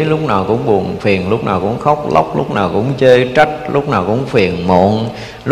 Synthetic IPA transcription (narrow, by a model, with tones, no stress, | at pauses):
lʊ˦˥k͡p̚naː˨˩wkʊ̰˧˥ŋ͡mɓu˨˩ənfi˨˩ənlʊ˦˥k͡p̚naː˨˩wkʊ̰˧˥ŋ͡mxɔ˦˥wk͡p̚la̰˦˥wk͡p̚lʊ˦˥k͡p̚naː˨˩wkʊ̰˧˥ŋ͡mt͡ɕəː˧jt͡ɕa˦˥k̚lʊ˦˥k͡p̚naː˨˩wkʊ̰˧˥ŋ͡mfi˨˩ənmo̰˧˨ən | l